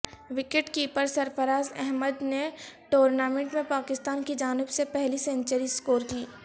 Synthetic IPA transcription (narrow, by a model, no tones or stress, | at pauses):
ʋɪkeʈkiːpəɾsɐɾfəɾaːzɛ̰ɦməd̪neʈoːɾnaːmẽɳʈmẽpaːkɪst̪aːnkid͡ʒaːnɪbsepɛɦlisẽnt͡ʃəɾiskoːɾkiː